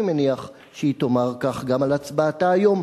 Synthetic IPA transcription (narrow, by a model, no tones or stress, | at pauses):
imeniaχ | ʃeit̪o̞maʁkaχɡamalat͡sbaːtaːjo̞m